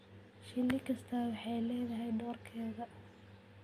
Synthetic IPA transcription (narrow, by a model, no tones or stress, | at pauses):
ʃɪlːɪkʰɐst̪ʰaːwɑħɑjlɛːðɐɦɛjbɔːrkʰɛːɣɐ